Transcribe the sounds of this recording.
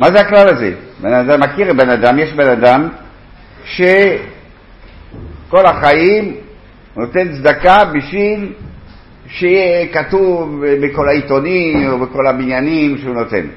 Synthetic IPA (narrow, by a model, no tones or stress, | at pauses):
mazeaklalazḛbenad̪amːakiʁebenad̪amjeʃbe̞nad̪am | ʃe | ko̞laχajim | not̪e̞nt͡sd̪akabiʃvil | ʃeijekat̪uvbeko̞lait̪o̞nimobeko̞labinjanimʃeuno̞t̪e̞̰n